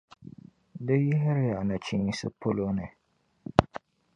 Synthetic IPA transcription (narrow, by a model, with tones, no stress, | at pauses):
dɨ˦jɛ˦ɦɪ˦ɾja˨na˨t͡ʃi˦ŋi˦sɨ˦po˦lo˦nɨ˨